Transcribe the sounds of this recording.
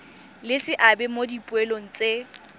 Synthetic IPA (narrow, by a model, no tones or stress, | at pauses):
lɪsɪʔabɛmodipʼʊɛloŋ̩t͡sʼe